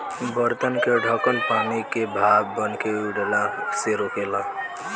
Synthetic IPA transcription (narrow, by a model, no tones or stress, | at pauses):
bəɾt̪ənkeɖʱɔːkənpaːñikebʱaːbbənkeuɖəlãseɾoːkeːlãː